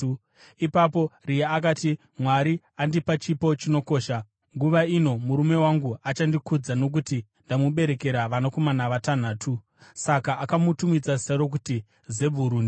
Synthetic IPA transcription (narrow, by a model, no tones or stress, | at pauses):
ipapo̞rijaːk̬ati | mwaɾi | andipat͡ʃipo̞t͡ʃino̞ko̞ːʃa | ŋɡuʋaino̞muɾume̞waŋɡuat͡ʃandikud͡zano̞k̬uti | ndamuɓe̞ɾe̞ke̞ɾaʋanako̞manaʋatan̤aːtʰu | sakaːkamutumid͡zasaɾok̬uti | ze̞bʱuɾuːni